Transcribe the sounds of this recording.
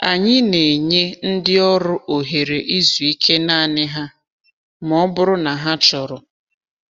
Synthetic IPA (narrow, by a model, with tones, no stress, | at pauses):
a˨ɲɪ˦ne˨ɲe˦n̩˦dɪ˦ɔ˦ɾʊ˦ʔo˨ɦe˨ɾe˨ʔi˦zu˨i˦kʰe˦na˦˨nɪ˦ɦa˦ | mɔ˦bʊ˦ɾʊ˦na˨ɦa˦t͡ʃɔ˨ɾʊ˨